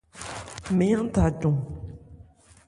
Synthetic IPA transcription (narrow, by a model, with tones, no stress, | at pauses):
me˩˨ja˥˨ŋt̪a˨ʈ͡ʂu˩˨ŋ